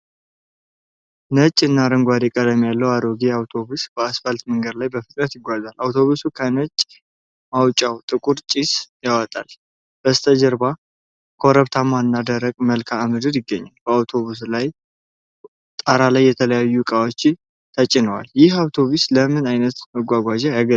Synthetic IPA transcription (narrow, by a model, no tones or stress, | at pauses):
nət͡ʃʼːɨnːaɾəŋɡʷad̪ekʼəd̪əmjalːəwaɾoɡeawt̪ʰo̞βusb̥əasfalt̪məŋɡəd̪lajbəfɨt̪ʼɾət̪jɪɡʷazalʔawt̪ʰo̞βusukʰənət͡ʃʼː | mawt͡ʃʼːawt̪ʼɨkʼuɾt͡ʃʼisjawɔt̪ʼa̰l | b̥əst̪ʰəd͡ʒəɾba | kʰoɾəβt̪ʰamanːad̪əɾəɡməlkʰaːmɨd̪ɨɾjɪɡːəɲːalbəawt̪ʰo̞βus̬laj | t̪ʼaɾalajːɛt̪ʰələjajːukʼawot͡ʃːɪ | t̪ʰət͡ʃʼɪnəwa̰ljɪhawt̪ʰo̞βusləmɨnajnət̪məɡʷaɡʷad͡ʒajaɡə